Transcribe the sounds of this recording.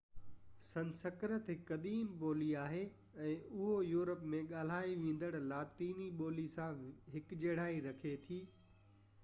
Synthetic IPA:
sɐ̃nsəkɾət̪ɪkɐd̪iːmboːliaːɦe | ɛ̃ːʊɦojuːɾəpmẽɠaːl̤aːiʋẽːn̆d̪əɽlaːt̪iːniɓoːlisãɦɪkd͡ʑeːɽ̤aːiɾɐkʰet̪ʰiː

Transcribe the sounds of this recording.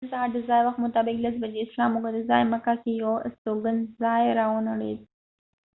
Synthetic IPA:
saad̪əzɑːjwaxt̪mʊt̪ɑːbɪklas̬bad͡ʒeɪslɑːmːʊkad̪əzɑjməkakejawɪ̰st̪oɡanzɑjɾɑʊnaɽḛd̪

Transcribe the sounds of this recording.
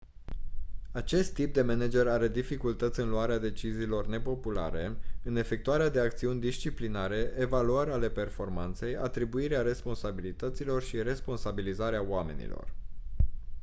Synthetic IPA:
at͡ʃe̞st̪ːip̚d̪e̞mened͡ʒe̞ɾaɾe̞d̪ifikult̪ət̪sʲɨnluaɾead̪e̞t͡ʃiziːlo̞rne̞po̞pula̰ɾe̞ɨne̞fe̞k̚t̪uaɾead̪e̞ak̚t̪siunʲd̪ist͡ʃiplinaɾe̞ʔevaluaɾeale̞pe̞rfo̞rmant̪se̞jat̪ɾibuiɾeaɾe̞spo̞nsabilit̪ət̪silo̞rʃiɾe̞spo̞nsabilizaɾeaowame̞̰nḭlo̰r

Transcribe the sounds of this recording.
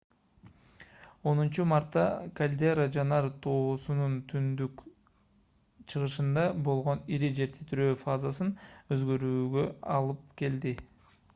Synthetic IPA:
o̞nunt͡ʃumaɾt̪ːɑ̰kɐlʲd̪e̞ɾad͡ʒɑnɑɾt̪ʰo̞ːsununt̪ʰynd̪yk | t͡ʃʰɯʁɯʃɯnd̪ɑbo̞lˠʁo̞niɾid͡ʒe̞ɾt̪ʰet̪yɾøːfazasɯnø̞zɡø̞ɾyːɡø̞ɑlˠɯp̚ke̞ld̪i

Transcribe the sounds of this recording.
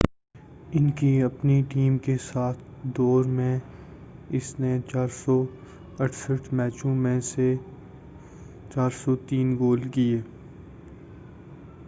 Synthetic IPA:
ɪnkiɐpniʈiːmkesaːt̪̚ʰ | d̪ɔːɾmẽ | ɪsnet͡ʃaːɾsɔ | ɐʈʰsəʈʰmɛːt͡ʃõmẽse | t͡ʃaːɾsɔt̪iːnɡoːlkieː

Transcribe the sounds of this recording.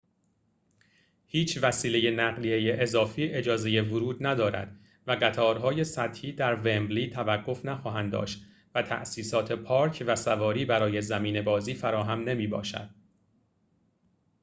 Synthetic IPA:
hiːt͡ʃʰvæsiːle̞je̞næɣlieje̞ʔezɒːfiːʔe̞d͡ʒɒːze̞je̞vʊɾuːd̪̚næd̪ɒːɾæ̰d̪̥ | væɢæt̪ʰɒːɾɦɒːje̞sæt̪hiːd̪æɾvembliːt̪ʰævæɡːo̞fnæxɒːɦænd̪d̪ɒ̰ːʃt̪ | væt̪ʰæ̰ʔsiːsɒːt̪ʰe̞pʰɒːɾcʰvæsævɒːɾiːbæɾɒːje̞zæmiːne̞bɒːziːfæɾɒːɦæmne̞miːbɒ̰ːʃæ̰d̪̥

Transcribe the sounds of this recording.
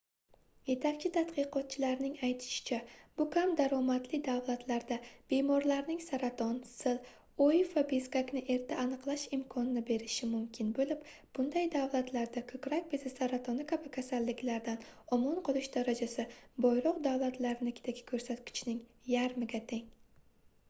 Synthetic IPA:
je̞t̪ʰakʲt͡ʃʰɪt̪ʰat̪qɨqɒt̪̚t͡ʃʰɪlaɾnɪŋajt̪ʰɪ̥ʃɪ̥t͡ʃʰab̥ʊkʰʲamd̪aɾɒmat̪lɪd̪avlˠat̪ʰlaɾd̪ab̥e̞mɒɾlaɾnɪŋsaɾat̪ʰɒnsɪl | ojfvabizkakʲnɪʔe̞ɾt̪ʰaːnɨqlˠaʃɪmkʰɒnɪnɪbe̞ɾɪʃɪmʊmkʲʰɪnbolɪp | b̥ʊnd̪ajd̪avlˠat̪ʰlaɾd̪akʰɵkʲɾakʲbɪzɪsaɾat̪ʰɒnɪkʲʰabɪkʲʰasalːɪkʲlaɾd̪anɒmɒnqʰɨlˠɪʃd̪aɾad͡ʒasɪbɒjɾɒqd̪awlˠat̪laɾɪnɪkʲɪ̥t̪ʰaɡʲɪ̥kʰɵɾsat̪kʲʰɪ̥t͡ʃʰnɪŋ | jaɾmɪɡʲat̪ʰe̞ŋ

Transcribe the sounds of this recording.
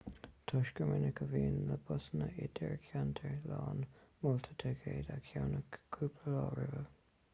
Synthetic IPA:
t̪ʰɔʃkəmɪnəkʰəviːnləbʊsnəʔɪtʰəɹkʰjantʰəɹlɑːnmʊlt̪ʰətʰəɡʰeːdakʰjawnəkʰːuːpʰləlɑːɹɪvə

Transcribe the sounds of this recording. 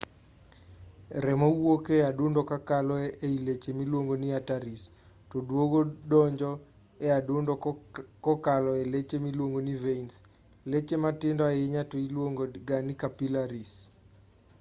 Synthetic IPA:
ɾɛmɔwokeadʊndɔkakalɔɛeilet͡ʃemilwoŋɡoniataɾis | todwoɡodɔɲd͡ʒɔ | ɛadʊndɔkɔkalɔelet͡ʃemilwoŋɡoniveins | let͡ʃematɪndɔajɪɲatoilwoŋɡoɡanikapilaɾis

